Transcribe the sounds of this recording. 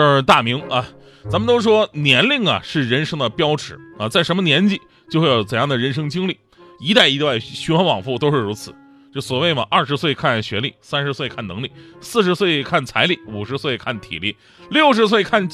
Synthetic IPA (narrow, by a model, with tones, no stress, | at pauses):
t̪a˥˩mi˧˥ŋɐ˧ | t͡sa˧˥mə˧nt̪o˥ʊʂ̬wɔ˥njɛ˧˥nli˥˩ŋɐ̰˩ʂɻ̩˥˩ɻə˧˥nʂɤ˥ŋd̪ə˨pjɑ˥ʊʈ͡ʂʰɻ̩˨˩˦ɐ˧t͡sa˥˩ɪʂə˧˥mə˧njɛ˧˥nt͡ɕi˨˧˩ | t͡ɕjo˥˧xwe˥˧˩jo˧˩ʊt͡sə˨˩njɑ˥˩d̪ə˩ɻə˧˥nʂ̬ɤ˥ŋt͡ɕi˥ŋli˥˩ | i˧˥t̪a˥˩ɪi˧˥wa˥˩ɪɕɥy˧˥wa˧˥nwɑ˨˩ŋfu˥˩t̪o˥ʊʂɻ̩˥˩ɻu˧˥t͡sʰɹ̩˨˩˦ | t͡ɕswɔ˨˩we˥˩ɪmə̰˩ʔɐ˥˩ʂɻ̩˧˥swe˥˧ɪkʰa˥˩nɕɥɛ˧˥lḭ˥˩sa˥nʂɻ̩˧˥swe˥˧ɪkʰa˥˩nɤ˧˥ŋlḭ˨˩˦sɹ̩˥˩ʂɻ̩˧˥swe˥˧ɪkʰa˥˩nt͡sʰa˧˥ɪli˨˩u˨˩ʂɻ̩˧˥swe˥˧ɪkʰa˥˩nt̪ʰḭ˨˩lḭ˥˩ | ljo˥˩ʊʂ̬ɻ̩˧˥s̬we˥˧ɪkʰa˥˩n